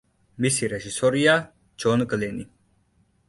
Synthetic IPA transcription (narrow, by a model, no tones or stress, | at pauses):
misiɾɛʒisɔɾija | d͡ʒɔnɡlɛni